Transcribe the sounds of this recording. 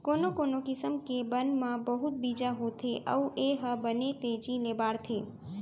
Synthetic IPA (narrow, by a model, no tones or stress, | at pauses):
konokonokɪsəmkebənmãbəɦut̪̚bid͡ʒaɦot̪ʰeʔə̰uʔeɦəbənet̪ed͡ʒilebaɽt̪ʰe